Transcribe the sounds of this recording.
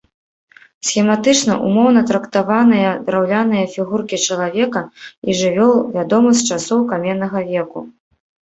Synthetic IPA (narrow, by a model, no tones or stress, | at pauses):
sʲxʲɛmat̪ɨt͡ʂnɐ̰ʔṵmɔwn̪ɐt̪ɾɐkt̪avanɨjɐd̪ɾawlʲanɨjɐfʲiɣurkʲit͡ʂɐlˠavʲɛkɐiʐɨvʲɔlˠvʲad̪ɔmɨsʲtʲt͡ʂasɔwkamʲɛnːɐɣɐvʲɛku